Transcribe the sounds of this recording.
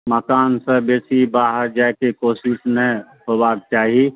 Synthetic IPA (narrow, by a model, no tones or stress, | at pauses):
məkaːnsebeːsibaːɦəɾd͡ʒakekoːsɪʃnə̃ | ɦoːbaːk̚t͡ʃaːɦii